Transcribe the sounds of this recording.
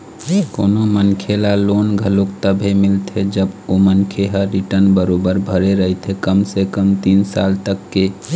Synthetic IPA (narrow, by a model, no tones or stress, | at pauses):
koːnomənkʰelaloːnɡʱəlokt̪əbʱɦemɪlt̪ʰed͡ʒəbomənkʰeɦəɾiʈəɾnbəɾoːbəɾbʱəɾeɾəɦit̪ʰekəmsekəmt̪iːnsa̰ːlt̪əkːe